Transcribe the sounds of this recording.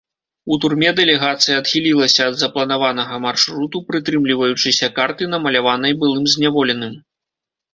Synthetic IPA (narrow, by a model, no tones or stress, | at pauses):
ut̪urmʲɛd̪ɛlʲɛɣat̪sɨjɐːt̪xʲilʲilˠɐsʲɐːd̪zɐplˠɐnavanɐɣɐmarʂɾut̪upɾɨt̪ɾɨmlʲivɐjut͡ʂɨsʲɐkart̪ɨnɐmɐlʲavanɐjbɨlˠɨmzʲnʲavɔlʲɛnɨm